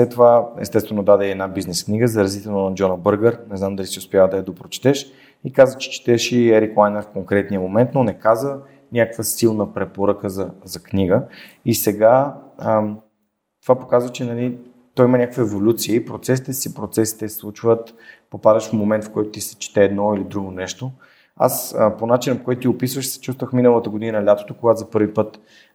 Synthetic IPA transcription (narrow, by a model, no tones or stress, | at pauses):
slɛt̪ːovaɛ̰st̪ɛst̪vɛnod̪ad̪ɛiɛd̪nabiznɛskniɡəzɐɾɐzit̪ɛlnonɐd͡ʒɔnəbɤɾɡəɾnɛznamd̪ɐlisiʊspʲjavəd̪ɐjɐd̪opɾot͡ʃɛ̥t̪ɛʃ | ikazvət͡ʃɛ̥t͡ʃi̥t̪ɛʃiɛɾiklˠajnɛɾfkoŋkɾɛt̪nijəmomɛnt̪nonɛkazvə | nʲakəkvəsilˠnəpɾɛpoɾəkəzɐzɐkniɡə | isɛɡaə | t̪o̥vapokazvət͡ʃɛnɐli | t̪ɔjimɐnʲakəkvəɛvolʲut̪siəipɾot̪sɛsit̪ɛsipɾot̪sɛsi̥t̪ɛslˠut͡ʃvət̪popad̪əʃfmomɛnt̪fkɔjt̪ʊt̪isɛ̥t͡ʃi̥t̪ɛːd̪nɔilid̪ɾuɡonɛʃt̪o | a̰səponat͡ʃinəpo̥kɔjt̪ʊt̪ʲiopisvəʃsɛ̥t͡ʃust̪vəxminəlˠət̪əɡod̪inəlʲat̪o̥t̪okoɡat̪zɐpɤɾvipɤt̪